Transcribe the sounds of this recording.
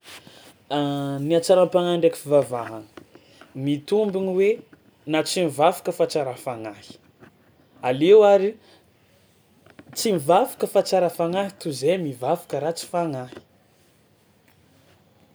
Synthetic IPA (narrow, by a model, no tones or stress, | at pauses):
niat͡saɾampaŋaɳɖ͡ʐekifivavaɦanə̥ | mit̪umbiniwe | nat͡simivavḁkəfat͡saɾafaŋahi̥ | alewaɾi | t͡simivavḁkəfat͡saɾəfaŋaɦit̪uzemivavḁkəɾat͡si̥faŋahi̥